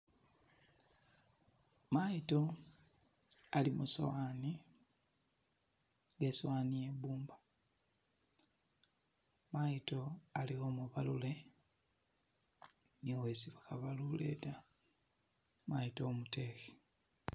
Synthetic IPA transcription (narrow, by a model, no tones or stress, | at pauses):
majito̞ | alimuso̰wani | ŋɡeswaːnijebuːmba | majito̞aliɣoːmuβalule̞ | niowesiβakaβalule̞̰ta | majitoːmute̞xe̥